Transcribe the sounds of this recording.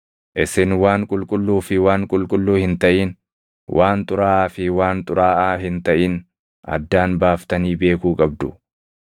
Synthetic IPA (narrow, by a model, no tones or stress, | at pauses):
ʔɪsɪnwaːŋkʼʊlkʼʊlːuːfɪwaːŋkʼʊlkʼʊlːuːhɪnt̪ɐʔiːn | wʔaːnt̪ʼʊɾaːʔaːfɪwaːnt̪ʼʊɾaːʔaːɦɪnt̪ɐʔiːn | ɐ̰d̪ːaːnbaːft̪ɐniːbe̞ːkuːkʼɐb̚d̪ʊ